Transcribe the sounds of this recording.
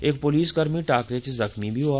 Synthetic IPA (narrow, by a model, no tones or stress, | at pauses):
eːkpʊliːsɡɐɾmiʈaːkɾet͡ʃzɐxmibʱiɦoaː